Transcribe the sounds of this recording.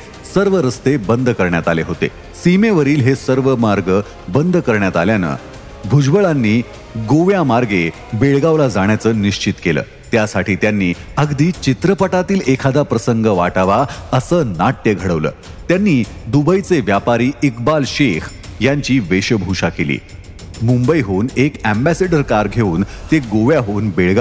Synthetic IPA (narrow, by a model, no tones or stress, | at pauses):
səɾʋəɾəst̪ebənd̪ʱkəɾɳjat̪aleɦot̪ḛ | simeʋəɾiːlɦesəɾʋəmaɾɡə | bənd̪ʱkəɾɳjat̪aljanə̰ | bʱud͡ʑbəɭanːiː | ɡoʋjamaɾɡe | beɭɡaʋlad͡zaɽ̃jat͡səːniɕt͡ɕit̪kelə̰ː | t̪jasaʈʰiːt̪janːiːəɡd̪iːt͡ɕit̪ɾəpəʈat̪iːlekʰad̪apɾəsəŋɡəʋaʈaʋaəsəːnaʈ̪jəɡʱəɽəʋlə̰ː | t̪janːiː | d̪ubəjt͡seʋjapaɾiːikbalɕek | jaɲt͡ɕiːʋeɕəbʱuʂakelḭː | mumbəjɦoːnekæmbæseɖəɾkaɾɡʱeuːnt̪eɡoʋjaɦoːnbeɭɡa